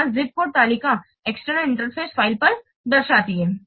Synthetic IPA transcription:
aɾzip̚koɽ̚t̪alika | eksʈɾəɪɳʈəɾfʰesfailpəɾ | d̪əɾʃat̪ie

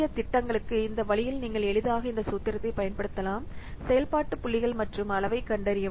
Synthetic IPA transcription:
jɐt̪ɪʈːɐŋɡɐɭɯkːɯɪnd̪ɐʋɐɭɪjɪlniːŋɡɐɭɛɭɯðaːɣɐɪnd̪ɐsuːt̪ːɪɾɐt̪ːɐɪpɐjɐnpɐɽɯt̪ːɐlaːmsɛjɐlpaːʈːɯpʊɭːɪɣɐɭmɐʈrɯmɐlɐʋɐɪkːɐɳɖɐɾɪjɐ

